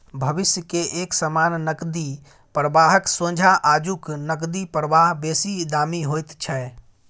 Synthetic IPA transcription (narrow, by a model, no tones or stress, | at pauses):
bʱəbisjəkeʔeksəmanːəkd̪i | pɾəbaɦəksõd͡ʒʱaʔad͡ʒuknəkd̪ipɾəʋaɦbesid̪amiɦojt̪t͡ʃʰɛ